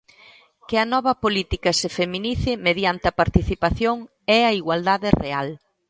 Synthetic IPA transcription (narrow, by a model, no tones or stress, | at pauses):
kɪɐnɔβɐpolit̪ikɐsefemĩniθɪmeðjant̪ɪɐpaɾt̪iθipaθjoŋ | ɛɐiɣwald̪aðɪreal